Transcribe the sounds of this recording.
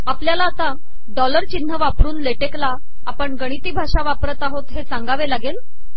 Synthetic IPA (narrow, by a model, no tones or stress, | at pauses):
apljalaːt̪a | ɖɔləɾt͡ɕin̤ːəʋapɾuːnleʈeklaː | pəɳɡəɽ̃it̪iːbʱaʂaʋapɾət̪aɦot̪ɦesãŋɡaʋelaɡel